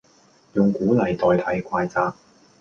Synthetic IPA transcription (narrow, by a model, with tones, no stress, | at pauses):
jʊ˨˩ŋkuː˨˥lɐ˨jt̪ɔː˨jt̪ʰɐ˨˥jkʷʰaː˧jt͡saː˧k̚